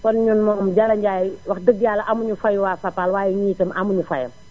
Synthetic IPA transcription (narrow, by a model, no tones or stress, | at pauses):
kɔnɲunmɔːmɟɐlɐɲɟaːjwɐxdəɡ̚dijalːɐʔɐmuɲufɐjwaːfɐpːaːlwaːjɛɲiːtəmʔɐmuɲufɐ̰jɐ̰m